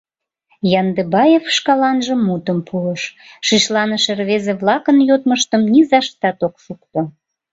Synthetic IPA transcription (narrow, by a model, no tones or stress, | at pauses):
jɑnd̪ebɑjefʃkɑlɑnʒəmːut̪əmpʰuəʃ | ʃiʃlɑnəʃerβezeβlɑkənjot̪̚məʃt̪əmnizɑʃt̪ɑt̪okʃukt̪o